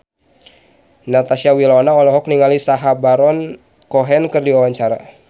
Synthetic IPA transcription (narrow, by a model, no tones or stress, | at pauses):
nat̪asiawilɔnaɔlɔɦɔk̚niŋalisaɦabaɾɔn | kɔɦɛnkɨrdiwawaɲt͡ʃaɾa̰